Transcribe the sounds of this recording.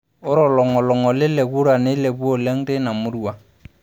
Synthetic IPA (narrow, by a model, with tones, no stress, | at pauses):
ʊ˦ɾɔ˨lɔ˨ŋɔ˨lɔ˨ŋɔ˨lɪ˦lɛ˨ɣu˦ɾa˨nɪ˦lɛ˨bu˦ɔ˨lɛ˦ŋ̩˦te˦na˨mʊ˦ɾu˦˨a˨